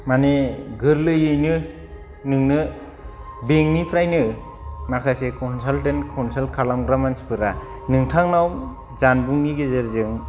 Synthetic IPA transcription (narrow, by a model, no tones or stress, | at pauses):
maneɡɯɾlɯjɯjnɯ | nɯŋnɯ | beŋnipʰɾajnɯ | makʰasekɔnsaltentkʰɔnsalkʰalamɡɾamanspʰɯɾa | nɯŋtʰaŋnaw | zanbuŋɡiɡezeɾzɯŋ